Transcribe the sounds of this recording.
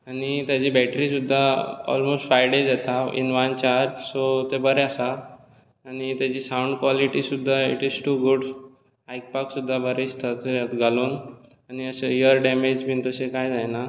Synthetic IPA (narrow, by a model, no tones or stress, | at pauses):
añit̪jad͡ʑibɛʈɾisud̪ʱːaɔ̰lmosʈfɾajɖed͡zɛt̪aḭnʋant͡ɕaɾd͡ʒsot̪ebəɾeasaː | ñit̪jat͡ɕisauɳɖkʋɔliʈisud̪ʱːaḭʈizʈuːɡuɽ | ajk̚paksud̪ʱːabəɾest̪ʰat̪eat̪ɡaluːn | aniəseijəɾɖɛmed͡ʑbʱiːnt̪əsẽkajd͡zajna